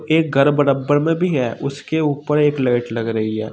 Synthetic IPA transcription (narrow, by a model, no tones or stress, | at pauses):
eːk̚ɡɐɾbɐɾəbəɾmẽbʱiɦɛːʔʊskeuːpəɾeːkleːʈlɐɡɾɐɦiɦɛ̰ː